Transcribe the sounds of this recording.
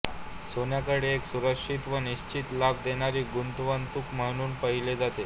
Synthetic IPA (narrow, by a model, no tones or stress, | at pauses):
sonjakəɽeeksuɾəkʂit̪ʋəniɕt͡ɕiːt̪lab̚d̪eɽ̃aɾiːɡunt̪ʋənt̪ukməɦɽ̃uːnpəɦiled͡zat̪e